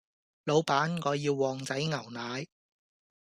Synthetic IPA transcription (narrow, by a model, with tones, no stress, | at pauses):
lo˨˧wpaː˨˥nŋɔː˨˧jiː˧wːɔː˨ŋt͡sɐ˨˥jŋɐ˨˩wnaː˨˧j